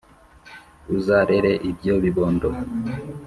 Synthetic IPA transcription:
uzaɾeɾeʔib̚jo̞βiβoːndo

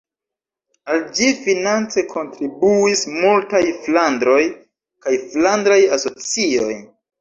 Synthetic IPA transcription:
ald͡ʒifinant͡se̞kʰo̞ntɾibuismultajflandɾo̞j | kajflandɾajaso̞t͡sio̞j

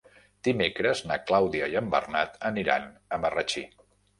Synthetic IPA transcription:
d̪̥imekɾəznaklawðiəjəmbə̰rnat̪əniɾa̰nəmərət͡ʃi

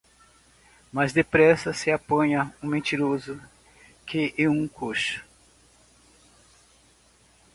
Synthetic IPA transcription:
mɐzd̪epɾɛsɐsɪapɐ̃ɲɐũmẽnt̪iɾozʊ | kʰɪʔeũkʰoʃɐ̥

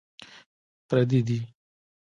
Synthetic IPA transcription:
pɾɛd̪id̪i

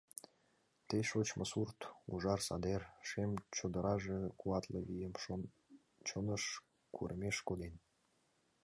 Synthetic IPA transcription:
t̪eʃot͡ɕməsurt̪uʒɑrsɑ̰d̪erʃemt͡ɕod̪əɾɑʒĕkuɑt̪ləβijəmo | t͡ɕonəʃ | kʰurʔəmʲeʃkod̪en

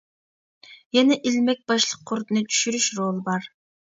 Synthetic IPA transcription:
jɛnɛʔilmɛk̚ʲbɑʃlˠəqʰːoɾt̪ɨnɨt̪ʰy̥ʃyɾyʃɾolˠbɑɾ

